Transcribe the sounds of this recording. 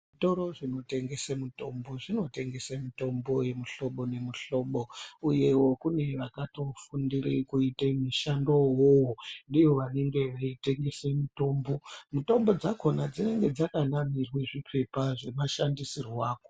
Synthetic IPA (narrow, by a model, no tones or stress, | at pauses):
ʐito̞ɾo̞ʐino̞te̞ŋɡe̞semuto̞mbo̞ʐino̞te̞ŋɡe̞semito̞mbo̞je̞muɬo̞ɓo̞ne̞muɬo̞ɓouje̞wo̞kune̞ʋakatofundirikuitemiʃandowowondiʋo̞ʋane̞ŋɡe̞ʋaite̞ŋɡe̞semuto̞ːmbo̞muto̞mbo̞d͡zako̞nad͡zine̞ŋɡe̞d͡zakanamirweʐipʰe̞paʐe̞maʃandisirwaːko